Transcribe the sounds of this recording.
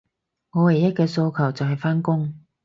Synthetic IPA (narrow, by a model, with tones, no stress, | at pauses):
ŋɔː˨˧we˨˩jɐ˥t̚kɛː˧so˧wkʰɐ˨˩wt͡sɐ˨wɦɐ˨jfaː˥nkʊ˥ŋ